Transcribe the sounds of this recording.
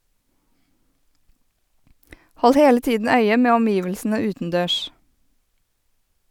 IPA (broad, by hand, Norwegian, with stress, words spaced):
ˈhɔl ˈheːlə ˈtiːdn̩ ˈœʏə ˈmeː ɔmˈjiːʋəlsn̩ə ˈʉːtənˌdøːʃ